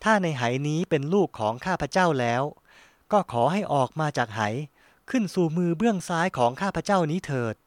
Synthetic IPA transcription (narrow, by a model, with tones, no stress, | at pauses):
t̪ʰaː˥˩na˧jɦa˩˦jniː˦˥pe˧nluː˥˩kʰːɔː˩˦ŋkʰaː˥˩pʰa˧˥t͡ɕa˥˩wlɛː˦˥w | kɔː˥˩kʰɔː˩˦ɦa˥˩jʔɔː˨˩k̚maː˧t͡ɕaː˨˩k̚ha˩˦j | kʰɯ˥˩nsuː˨˩mɯː˧bɯ˥˩əŋsaː˦˥jkʰɔː˩˦ŋkʰaː˥˩pʰa˧˥t͡ɕa˥˩wniː˦˥t̪ʰɤː˨˩t̪̚